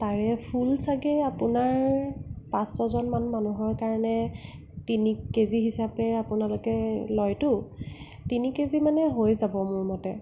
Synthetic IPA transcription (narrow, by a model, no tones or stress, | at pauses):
taɹɛpʰulsaɡɛapʊnaɹpãsɔzɔnmanmanuɦɔɹkaɹɔnɛ | tinikeziɦisapɛapʊnalʊkɛlɔjtʊ | tinikezimanɛɦojzabɔmʊɹmɔtɛ